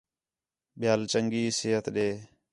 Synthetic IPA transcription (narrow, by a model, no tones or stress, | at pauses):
ɓjaːlt͡ʃəŋɡiːseːɦət̪ɗeː